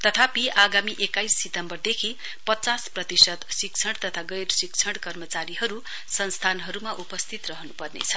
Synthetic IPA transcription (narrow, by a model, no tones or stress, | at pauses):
t̪ʌt̪ʰapiʔaɡamiʔekajsːit̪ʌmbʌrd̪ekʰi | pʌt͡sasprʌt̪isʌt̪sik̚t͡sʰʌɽt̪ʌt̪ʰaɡʌjrsikt͡sʰʌɽkʌrmʌt͡saɾiɦʌɾu | sʌnst̪ʰanɦʌɾumaʔupʌst̪ʰit̪rʌɦʌnupʌrnḛt͡sʰʌ̥